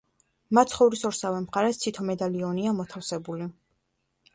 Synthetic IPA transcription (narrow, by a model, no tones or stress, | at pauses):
mat̪sχɔvɾisɔɾsavɛmχaɾɛt̪sʰit̪ʰɔmɛd̪aliɔniamɔt̪ʰafsɛbuli